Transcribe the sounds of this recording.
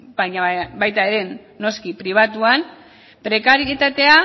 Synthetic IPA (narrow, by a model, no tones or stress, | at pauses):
baɲabajt̪ae̞ɾe̞nː | o̞skipɾiβ̞at̪uan | pɾe̞kaɾit̪at̪e̞a